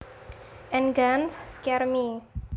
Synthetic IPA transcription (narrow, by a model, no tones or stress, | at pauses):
ʔɛnɡansskɛrmi